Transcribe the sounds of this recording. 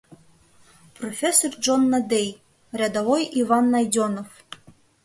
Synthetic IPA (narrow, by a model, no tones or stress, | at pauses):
profʲesːord͡ʒonːɑd̪ej | rʲæd̪avojʔivɑnːɑjd̪ʲonof